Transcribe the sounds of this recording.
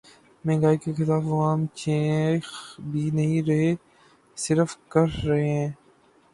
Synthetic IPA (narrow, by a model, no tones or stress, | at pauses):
mẽːɡaːikexɪlaːfɐʋaːmt͡ʃẽxbʱiːnəɦĩɾɐɦe | sɪɾfkəɾːɐɦeɦãː